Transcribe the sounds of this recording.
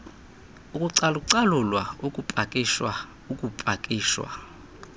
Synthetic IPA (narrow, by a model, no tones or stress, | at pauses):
ukʼuǀaluk̬ʼuǀalulwaukʼupʼakʼiʃwa | ukʼupʼakʼiːʃwa̰